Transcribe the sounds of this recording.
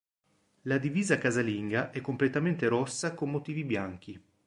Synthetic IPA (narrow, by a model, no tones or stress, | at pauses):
lad̪iviːzakazaliŋɡaʔɛkːomplet̪ament̪eɾɔsːakomːot̪iːvibjaŋk̟i